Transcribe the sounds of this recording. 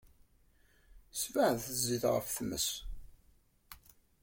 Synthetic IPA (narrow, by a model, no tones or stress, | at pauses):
svəʕðθəzːiðʁə̰fθmːə̰s